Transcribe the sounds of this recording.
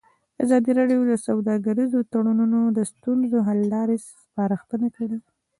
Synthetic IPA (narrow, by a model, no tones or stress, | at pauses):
azɑd̪iɾɑɖjod̪əsawd̪ɑɡaɾizot̪aɽununod̪əst̪unzoɦalːɑɾesspɑɾaxt̪ənakaɽi